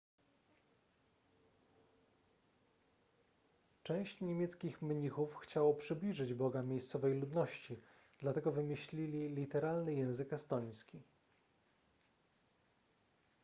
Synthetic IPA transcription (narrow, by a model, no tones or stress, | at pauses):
t͡ʂɛ̃w̃ɕt͡ɕɲemʲjɛt̪skʲixmɲixufxt͡ɕawɔpʂɘblʲiʐɘd͡ʑbɔɡamʲjejst̪sɔvɛjlud̪nɔɕt͡ɕi | d̪̥lat̪ɛɡɔvɘmʲɘɕlʲilʲilʲit̪ɛɾalnɘjɛ̃w̃zɘkɛst̪ɔɲ̃skʲi